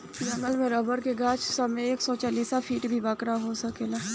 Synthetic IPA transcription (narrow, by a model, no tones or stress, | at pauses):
jɐməlmẽɾɐbəɾkeɡaːt͡ʃʰsɐmẽeːksɔt͡ʃaːliːsafʰiːʈbʱibaːkɾaɦosɐkelaː